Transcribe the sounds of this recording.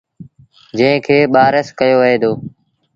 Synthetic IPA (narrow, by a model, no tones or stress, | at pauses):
d͡ʒə̃ɦɪ̃kʰeːɓaːɾəskəjoːʋəɦeːd̪oː